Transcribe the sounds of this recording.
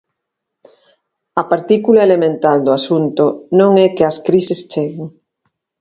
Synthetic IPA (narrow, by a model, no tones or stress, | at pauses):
ɐpaɾt̪ikulaelemẽnt̪ald̪oasunt̪onõŋɛkeɐskɾisest͡ʃeɣɪŋ